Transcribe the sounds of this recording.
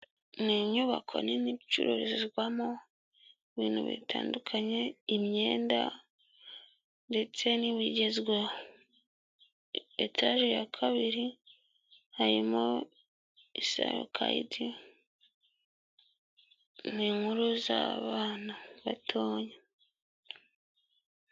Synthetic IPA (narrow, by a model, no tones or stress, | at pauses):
niɲuβa̰kʰo̞̰ninibt͡ʃṵɾo̰ɾezzɡwamo | iβiːn̥hṵβḭtʰaːndukʰaɲe̞imɲe̞ːnda̰ | nde̞t͡se̞niβiɟe̞zwa | etʰaʒijakʰaβiɾi | haɾimo | isa̰jo̰kʰaḭti | niːŋhuɾuza̰βaːnaβatʰoːɲe